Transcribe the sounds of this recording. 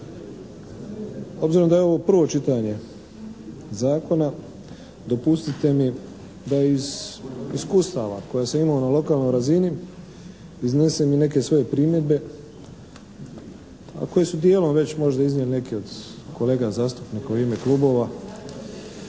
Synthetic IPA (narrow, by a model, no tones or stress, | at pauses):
o̞bziɾo̞md̪ajeo̞ʋo̞pr̩ʋo̞t͡ʃit̪aɲe̞ | zaːko̞na | d̪o̞pust̪it̪e̞mi | d̪aiziskust̪aʋa̰ko̞jasaimaonalo̞kaːlˠno̞jɾazini | iznesemine̞ke̞sʋo̞je̞pɾiːmje̞d̪be̞ | a̰ko̞jesud̪je̞ːlo̞mʋe̞t͡ɕmo̞ʒd̪aiznjeline̞kio̞d̪̥ko̞le̞ːɡazaːst̪upnikauɾeːmekluːbo̞ːʋa